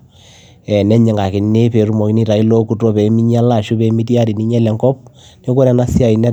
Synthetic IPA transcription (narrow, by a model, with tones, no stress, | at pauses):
ɛ˨nɛ˦ɲɛ˨ŋɡa˨kɪ˨ne˦pe˨ɾu˨mɔ˨ki˦ni˦ta˨i˦lo˦ku˦tɔ˦pɛ˨˦mi˦ɲa˦la˦˨ʃu˦pɛ˨˦mi˦tja˦ɾi˨ni˦ɲɛ˦lɛ˨ŋɡɔ˦p̚ | ne˦ko˦ɾɛ˨na˦sja˨i˨nɛ˦